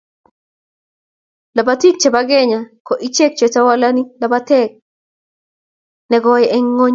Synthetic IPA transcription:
la˨bati˦k̚t͡ʃa˨ba˦ɡe˦ɲa˨kɔ˨ʔi˦t͡ʃe˦k̚t͡ʃe˨ta˦wa˦la˦ni˦la˨ba˦tɛk̚ | nɛ˨ɡɔ˦jɛ˦ʔɛ˦ŋːo˦ɲ

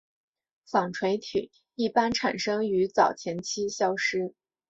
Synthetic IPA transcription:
fɑ˨˩ŋʈ͡ʂʰwe˧˥ɪt̪ʰy̰˨˩˦ | i˥˩pa˥nʈ͡ʂʰa˨˩nʂɤ˥ŋy˧˥t͡sɑ˨˩ʊt͡ɕʰjɛ˧˥nt͡ɕʰi˥ɕjɑ˥ʊʂɻ̩˥

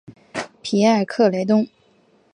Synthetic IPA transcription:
pʰi˨˧˥ə˨˩kʰɤ˥˩le˧˥ɪt̪̬ʊ˥ŋ

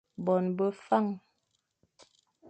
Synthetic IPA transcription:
bɔ˨nbə˦fa˦˨ŋ

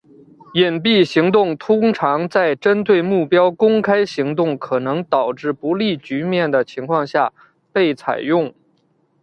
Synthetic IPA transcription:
jɛ˨˩npi˥˩ɕi˧˥ŋt̪̬ʊ˥˩ŋt̪ʰʊ˥ŋʈ͡ʂʰɑ˧˥ŋt͡sa˥˩ɪʈ͡ʂə˥nt̪we˥˩˧ɪmu˥˩pjɑ˥ʊkʊ˥ŋkʰa˥ɪɕi˧˥ŋt̪ʊ˥˩ŋkʰɤ˨˩nɤ˧˥ŋt̪ɑ˨˩ʊʈ͡ʂɻ̩˥˩pu˧˥li˥˩t͡ɕy˧˥mjɛ˥˩nd̪ə˩t͡ɕʰi˧˥ŋkʰwɑ˥˧ŋɕja˥˩ | pe˥˩ɪt͡sʰa̰˨˩ɪjʊ˥˩ŋ

